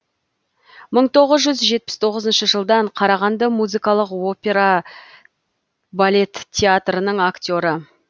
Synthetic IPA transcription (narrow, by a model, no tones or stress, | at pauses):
məɴt̪ʰo̞ʁəzʒʏzʒe̞t̪̚pɪ̥st̪ʰo̞ʁəzənʃəʒəlˠd̪ɑɴqʰɑɾɑʁɑnd̪ɑmuzɨjkɑlˠəqo̞pʲe̞ɾa | balʲe̞t̪ʲʰːeat̪rənəɴaktʲo̞ɾə